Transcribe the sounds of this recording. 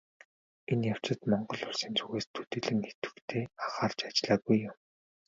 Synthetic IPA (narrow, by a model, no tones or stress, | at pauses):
enjaw̥t͡ɕɪ̆t̪mɔɴɢɞ̆ɮʊrsiːnt͡sʰuɣeːst̪ʰɵt̪ɘ̆ɮɘ̆ŋxet̪ɘ̥̆kt̪ʰeːaχaːrt͡ɕat͡ɕɮaːɣujːʊm